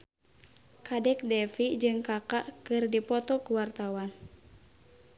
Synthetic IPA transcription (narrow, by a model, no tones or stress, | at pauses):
kadɛk̚dɛfid͡ʒɨŋkakaʔkɨrdipɔt̪ɔkuwart̪awan